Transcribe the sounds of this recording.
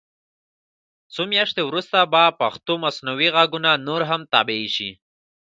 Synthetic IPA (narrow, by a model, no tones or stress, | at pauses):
t͡somjaʃt̪ewɾust̪abapaxt̪omasnawiɣaɡunanoɾɦamt̪a̰beiʃḭ